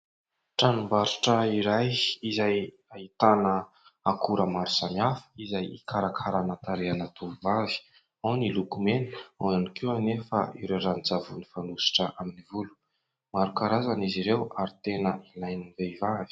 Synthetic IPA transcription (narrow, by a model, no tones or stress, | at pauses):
ʈ͡ʂanumbaɾiʈ͡ʂəiɾajizaj | ait̪anə | akuɾəmaɾu̥samiafə̥izajikʰaɾakʰaɾanat̪aɾeanat̪uuvavi̥ | awnilukumeni̥awanikʰianefə̰iɾewɾanid͡zavunifanusi̥ʈ͡ʂəʔaminivulu̥ | maɾukaɾazaniziɾewaɾit̪enəilajniveivavi̥